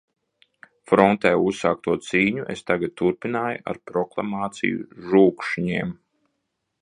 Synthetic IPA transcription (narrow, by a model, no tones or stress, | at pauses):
fɾɔnt̪ɛːusːaːk̚t̪uɔt̪siːɲuʔḛst̪aɡad̪̚t̪ːuɾpinaːjuʔa̰ɾpɾɔklˠa̰maːt̪sḭjṵʒuːkʃiɲiːm